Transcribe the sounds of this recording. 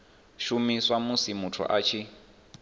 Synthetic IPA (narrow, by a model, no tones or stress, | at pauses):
ʃumiswamusimutʰṵʔat͡ʃʰi